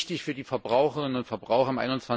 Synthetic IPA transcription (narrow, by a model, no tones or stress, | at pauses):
tɪçfyːɐdiːfɛɐbʁaʊxəʁɪnənʊntfɛɐbʁaʊxɐɪmʔaɪnʊnt͡sv̥a